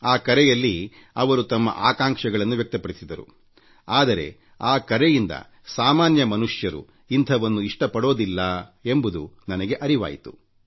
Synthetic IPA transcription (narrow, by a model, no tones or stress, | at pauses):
aːkɐɾɛjɐlːi | ɐʋɐɾut̪ɐmːɐ̰ʔaːkaːŋkʂɐɡɐɭɐnːuʋjɐk̚t̪ɐpɐɽisid̪ɐɾṵ | aːd̪ɐɾe̞̰ | aːkɐɾɛjind̪ɐ̰ | saːmaːnjɐmɐnuʂjɐɾṵ | int̪ʰɐʋɐnːuiʂʈɐpɐɽo̞ːd̪ilːɐe̞mbud̪unɐnɐɡe̞ʔɐɾiʋa̰ːjit̪u̥